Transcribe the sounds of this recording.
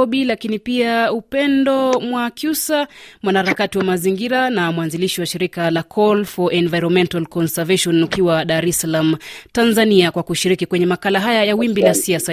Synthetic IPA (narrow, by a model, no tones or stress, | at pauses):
ɓilakinipiaupɛndɔmwakjusamwanahaɾakatiwamaziŋɡiɾanamwanziliʃiwaʃiɾikalakʰɔlfɔʔɛnvajɾɔnmɛntalkɔnsɛvɛʃɔnukiwaɗaɾɛsalam̩tanzaniakwakuʃiɾikikwɛɲɛmakalaɦajajawimbilasiasa